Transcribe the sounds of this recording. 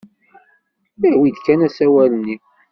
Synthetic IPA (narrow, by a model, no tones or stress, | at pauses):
bæwid̪kænæsæwælənːi